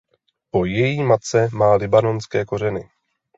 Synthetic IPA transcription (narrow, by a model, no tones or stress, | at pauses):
po̞jɛjiːmat̪̚t͡sɛmaːlɪbano̞nskɛːko̞r̝ɛnɪ